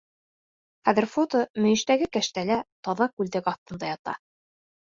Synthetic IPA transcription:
χæðɘ̆ɾfot̪omɵ̆jɘ̆ʃt̪æɡɘkæʃt̪ælæt̪ɑðɑkʉld̪æɡɑθt̪ɤ̆nd̪ɑjɑt̪ɑ̰

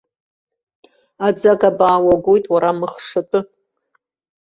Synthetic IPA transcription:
ad͡zaɡabaːwaɡʷojtʼwaɾamɨχʂatʼʊ

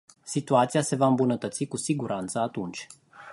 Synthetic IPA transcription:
sit̪uat̪sijase̞vaɨmbunət̪ət̪sikusiɡuɾʔant̪səat̪unt͡ʃʲ

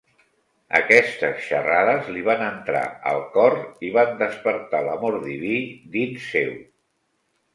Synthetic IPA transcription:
ə̰kɛst̪əsʃəraðəzliβ̞anənt̪ɾa̰ə̰lˠkɔriβand̪əspəɾt̪aləmoɾðiβid̪insːew

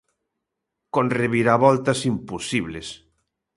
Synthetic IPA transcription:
konreβiɾaβɔlt̪asimpusiβles

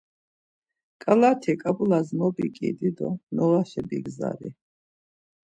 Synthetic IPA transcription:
kʼalat̪ʰikʼabulazmɔbikʼid̪id̪ɔ̰nɔlaʃɛbiɡza̰ɾḭ

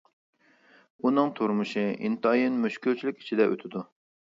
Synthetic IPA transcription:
unɨŋt̪ʰuɾmuʃɨḭnt̪ɑjinmyʃkʲylt͡ʃʰilykʲi̥t͡ʃʰid̪ɛʔø̰t̪ʰɪd̪u

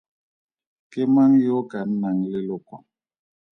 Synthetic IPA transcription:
kemaŋjokan̩naŋlɪlokwɔ̰ŋ

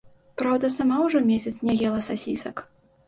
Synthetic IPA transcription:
pɾawd̪ɐsamawʐɔmʲesʲɐt̪snʲɛɣʲɛlˠɐsasʲḭsɐk

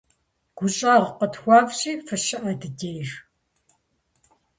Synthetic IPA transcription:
ɡ̥ʷʊɕʼaːʁqətxʷɑːpɕʼiːfɨʃɪʔɐdɨdejr

